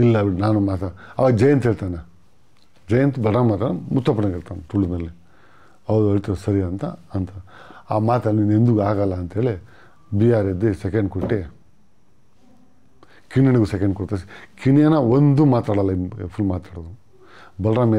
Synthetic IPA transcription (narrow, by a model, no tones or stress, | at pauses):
ilːɐʋinaːnumaːt̪aɐʋad͡ʒɐjɐnt̪ɦeːɭt̪aːna | d͡ʒɐjɐnt̪bɐlɾaːmat̪anɐmut̪ːaːpɐɽɐɡeɭt̪anɐt̪uɭːunɐlːi | ɐʋɐd̪uɐɭt̪ɐusɐɾijɐnt̪ɐ̰ɐnt̪ʰɐaːmaːt̪ɐlninend̪uɡaːɡɐlːɐːnt̪eːɭe | biaːɾed̪esekeɳɖ̚koʈːe | kiɳjɐnɐɡusekeɳɖkoɽt̪as̬i̥kinijɐnɐond̪umaːt̪aːɽɐlːɐipʰulmaːt̪aːɽod̪u | bɐlɾaːm